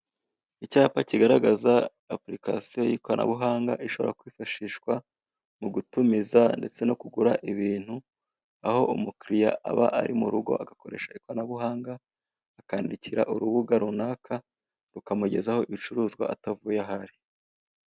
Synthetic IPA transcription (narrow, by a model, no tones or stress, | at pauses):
icaːpaciɡaɾaɡazaː | pɾika̰sijo̞jiːkoɾana̰βuɦaːŋɡa̰ʔiʃo̞βo̞̰ɾakwiːfaʃiːʃkwa | muɡutumizande̞t͡se̞no̞kuɡuɾaʔiβiːn̥hu | aho̞ʔumukɾijaʔa̰βaʔaɾimuɾuɡo̞̰ʔaɡako̞ɾe̞ʃaikoɾanaβuɦaːŋɡaː | kaːndiciɾa̰ʔuɾuβuɡaɾunaːkʰa | ɾukamuɟe̞zaho̞ʔit͡ʃuɾuːzɡwa̰atavujaɦaɾi